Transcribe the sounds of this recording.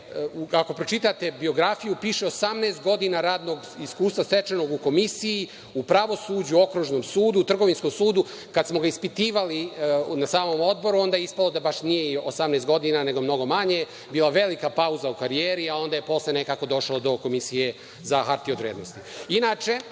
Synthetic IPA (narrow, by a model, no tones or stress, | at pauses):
uako̞pɾo̞t͡ʃit̪at̪e̞bio̞ɡɾafijupiːʃe̞osamneːst̪ɡo̞d̪inaɾaːd̪no̞ɡiskuːst̪ʋaset͡ʃeno̞ɡuko̞misiji | upɾaʋo̞suːd͡ʑuo̞kɾuʒno̞msuːd̪uːt̪r̩ɡo̞ʋinsko̞msuːd̪u | kad̪smo̞ɡaispit̪iːʋalinasaːmo̞mo̞d̪bo̞ɾuo̞nd̪ajeispalod̪abaʃnije̞iosamnest̪ɡod̪inane̞ɡomno̞ɡo̞maɲe | biːlˠaʋe̞likapauzaukaɾieːɾiao̞nd̪aje̞po̞slene̞kaːko̞d̪o̞ʃlˠod̪o̞ko̞misije̞ | zaxaɾt̪iod̪ɾeːd̪nost̪iinaːt͡ʃe̞